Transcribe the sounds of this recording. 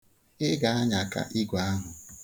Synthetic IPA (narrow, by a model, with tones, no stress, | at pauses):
ɪ˦ɡa˨a˦ɲa˨ka̰˨ʔi˦ɡʷa˨a˦ɦʊ˨